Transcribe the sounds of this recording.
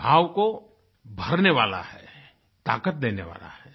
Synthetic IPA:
aːwko | bʱəɾneʋa̰ːla̰hɛː | t̪a̰ːkət̪̚d̪eːneʋa̰ːla̰hɛː

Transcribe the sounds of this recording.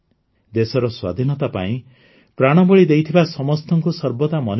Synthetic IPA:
d̪esɔɾɔswa̰d̪ʱinɔt̪apa̰ĩ | pɾaɽ̃ɔbɔɭid̪ejt̪ʰibasɔmɔst̪ʰɔŋkusɔɾbɔt̪amɔn

